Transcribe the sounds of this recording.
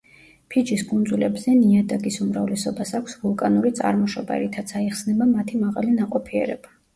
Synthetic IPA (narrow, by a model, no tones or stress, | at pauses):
pʰid͡ʒiskʰʼund̪zulɛbzɛniad̪aɡisumɾavlɛsɔbasakʷʰsvulˠkʼanuɾit̪sʼa̰ɾmɔʃɔbɛ̰ɾit̪ʰat̪sʰaiχsnɛbamat̪ʰimaʁalinaqʼɔpʰiɛ̰ɾɛb̥a